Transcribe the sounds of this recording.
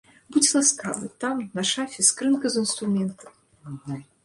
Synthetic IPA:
budʲlˠaska̰vɨ̰t̪amnaʂafʲɛskɾɨnkɐzɨnst̪ɾumʲɛnt̪ɐm

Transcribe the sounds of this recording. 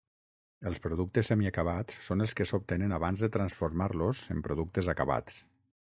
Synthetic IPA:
əlˠspɾoðuk̚t̪əsemiakaβ̞at͡sːonəlˠskəsop̚t̪enənaβanzðət̪ɾansfoɾmaɾlozəmpɾoðuk̚t̪əzakaβa̰t͡s

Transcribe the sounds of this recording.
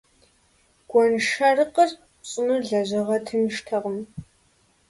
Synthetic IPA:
ɡ̥ʷɔnʃɐrɨqər | ɕʼɪnuɮɐʑɐʁɐtʰɨmʃtʰɐʁəm

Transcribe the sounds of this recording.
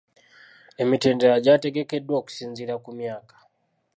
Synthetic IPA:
e̞miteːndeɾaɟate̞ɡe̞ke̞dwoːku̥siːɲziɾakumjaːkḁ

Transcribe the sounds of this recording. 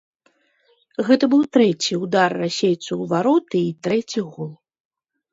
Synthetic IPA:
ɣɛt̪ɐbɨwt̪ɾɛt͡sʲiud̪arːasʲejt̪sɐwvaɾɔt̪ɨːt̪ɾɛt͡sʲiɣɔlˠ

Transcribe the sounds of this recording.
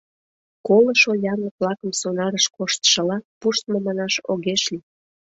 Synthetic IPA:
koləʃojɑrnək̚βlɑkəmsonɑɾəʃkoʃt̪ʃə̆lɑpuʃt̪momɑnɑʃoɣeʃli

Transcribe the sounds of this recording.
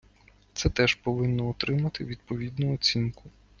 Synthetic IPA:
t̪sɛt̪ɛʒ̥pɔʋɪnːɔɔt̪ɾɪmɐt̪ɪʋʲid̪̚pɔʋʲid̪nʊɔt͡sʲinkʊ

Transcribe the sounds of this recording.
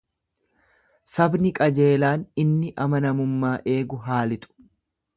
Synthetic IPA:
sɐbnɪkʼɐd͡ʒe̞ːlaːnɪnːɪʔɐmɐnɐmʊmːaːʔe̞ːɡʊɦaːlɪt̪ʼʊ̥

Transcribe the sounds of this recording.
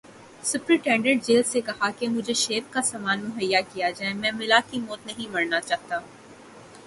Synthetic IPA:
sʊpɾiʈɛ̃ːɳɖə̃ɳʈ̚d͡ʒeːlsekɐɦakemʊd͡ʒʱeʃeːbkasaːmaːnmʊɦəjːakijad͡ʒaːemɛ̃ːmɪlakimɔːt̪nɐɦĩmɐɾnat͡ʃaːɦt̪aː

